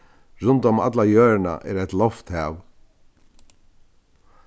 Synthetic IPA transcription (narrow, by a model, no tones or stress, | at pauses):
ɹʊnt̪ʊma̰t̪lajøːɹna̰ʔɛ̰ɾæt̪lɔft̪hɛːw